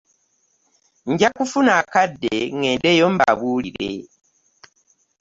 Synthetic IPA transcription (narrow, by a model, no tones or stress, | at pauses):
ɲɟakufunaːkadːeŋe̞ːndejo̞mba̰βuːliɾe̞̰